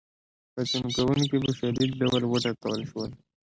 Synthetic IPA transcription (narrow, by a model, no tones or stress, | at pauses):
pat͡ʃinkawunkebaʃad̪id̪̚ɖawəlwəʈakawəlʃwəl